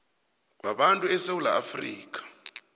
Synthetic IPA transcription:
k̬ʼwaɓantʼuɛsewula̰afriːk̬ʼḁ

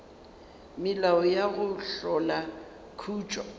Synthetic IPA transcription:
mɪlaɔjaɣʊɬɔla | kʰuːt͡ʃʼɔ

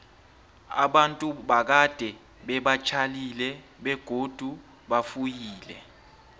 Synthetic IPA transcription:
a̰ɓantʼuɓak̬ad̥ʱɛ | ɓɛɓat͡ʃʰalilɛ | ɓɛɡ̥ʱod̥ʱu | ɓafujiːlɛ̰

